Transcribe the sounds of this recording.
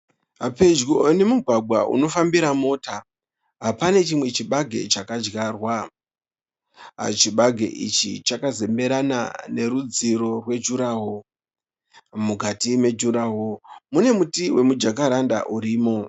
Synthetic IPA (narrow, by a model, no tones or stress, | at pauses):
ɦape̞d͡ʒɡone̞muɡʱwaɡʱwaʔṵno̞fambiɾamo̞ːta | ɦapane̞t͡ʃimwe̞t͡ʃiɓaɡʱe̞̰t͡ʃakad͡ʒɡarwa | a̰t͡ʃiɓaɡʱḛʔḭt͡ʃḭt͡ʃakaze̞mbe̞ɾana̰ne̞ɾud͡ziɾo̞rwe̞d͡ʒuɾaːɦo | mukatime̞d͡ʒuɾaɦomune̞mutiwʔe̞mud͡ʒakaɾanda̰ʔuɾiːmo̞